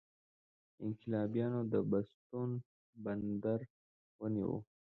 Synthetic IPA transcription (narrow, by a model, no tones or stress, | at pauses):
ɪŋkɪlɑbijɑnod̪əbast̪un | band̪aɾ | wəniwo̰